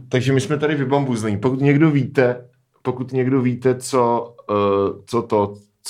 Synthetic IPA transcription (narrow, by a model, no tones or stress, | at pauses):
t̪aɡʒɛmɪsmɛt̪aɾɪvɪbombuznipokut̪ɲɛɡdoviːt̪ɛ | pokut̪ɲɛɡdoviːt̪ɛt͡so | t͡sot̪o | t͡s